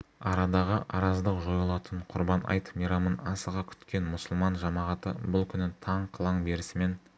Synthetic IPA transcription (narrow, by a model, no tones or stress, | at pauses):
ɑɾɑd̪ɑʁəʔɑɾɑzd̪əqʒo̞jɑlˠɑt̪əɴqʰʊɾbɑnɑ̰jt̪mijɾɑmənɑsəʁɑkʲʰʏ̥t̪kʲe̞nmʊsʊlˠmɑnʒɑmɑʁɑt̪əbʊlˠkʲʰʏnɪt̪ʰɑɴqʰəlˠɑɴbe̞ɾɪsɪme̞n